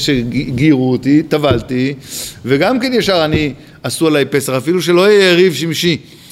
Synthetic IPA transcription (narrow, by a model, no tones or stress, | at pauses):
ʃeɡiʁuot̪it̪avalt̪iveɡamkenjeʃaʁani | asualajpe̞saχafiluʃ̬e̞lo̞jeʁivʃimʃi